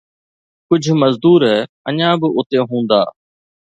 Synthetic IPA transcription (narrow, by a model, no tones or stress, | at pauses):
kʊd͡ʒʱməzd̪uːɾɦɛː | əɲãːbɪʊt̪ẽːɦũːnd̪a̰ː